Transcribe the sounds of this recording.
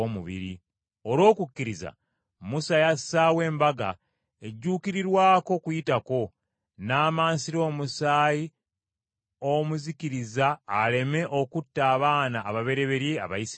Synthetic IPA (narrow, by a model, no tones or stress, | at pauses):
omuβḭɾi | o̞lo̞ːkukːiɾiza̰ | musajasːawe̞ːmbaɡa̰ | e̞ɟːuːkiɾiɾwaːko̞kujitako̞ | naːmaːnsiɾo̞ːmusaːji | omuzikiɾizaːle̞me̞ʔo̞kutːaːβaːnaʔːβaβe̞ɾe̞βe̞ɾjea̰βa̰isi